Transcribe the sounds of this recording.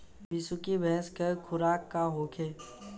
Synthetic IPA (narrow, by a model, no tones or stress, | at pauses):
bɪsʊkibɛ̃ɦskɐkʰʊɾaːkːaɦoːkʰeː